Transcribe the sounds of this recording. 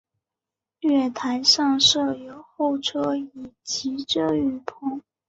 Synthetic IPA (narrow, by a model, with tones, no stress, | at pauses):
lɥɛ˥˩t̪ʰa˧˥ɪʂɑ˥˧ŋʂɤ˥˩jo˨˩ʊxo˥˩ʊʈ͡ʂʰɤ˥i˨˩t͡ɕi˧˥ʈ͡ʂɤ˥˧y˥˩pʰʊ˥˩ŋ